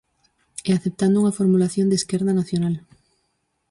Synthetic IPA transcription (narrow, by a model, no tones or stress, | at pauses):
eaθep̚t̪and̪ouŋafoɾmulaθjond̪eskeɾðanaθjonal